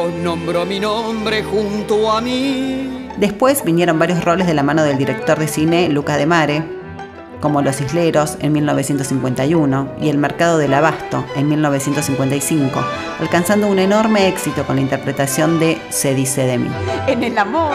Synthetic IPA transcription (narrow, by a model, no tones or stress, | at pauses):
onõmbɾominombɾexunt̪oami | d̪e̞spwe̞sβinjeɾo̞mbaɾjosro̞le̞zðelamãnoðeld̪iɾe̞k̚t̪o̞ɾðe̞sinelukaðe̞maɾe | ko̞mo̞lo̞siɦleɾo̞senmilno̞β̞esje̞nt̪osiŋkwe̞nt̪ajuno̞ḭe̞lmeɾkað̞o̞ðe̞laβast̪o̞enmilno̞β̞e̞sjent̪osiŋkwe̞nt̪ajsiŋko̞ | a̰lkansand̪ouneno̞ɾme̞eksit̪o̞ko̞nlaint̪eɾpɾet̪asjo̞nd̪e | seðiseðemḭenelamo